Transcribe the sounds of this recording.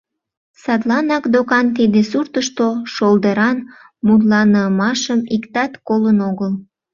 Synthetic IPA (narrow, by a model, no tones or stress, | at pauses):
sɑt̪lɑnɑkd̪okɑnt̪id̪esurt̪əʃt̪oʃold̪əɾɑn | mut̪̬lɑnəmɑʃəmikt̪ɑt̪kolənoɣəl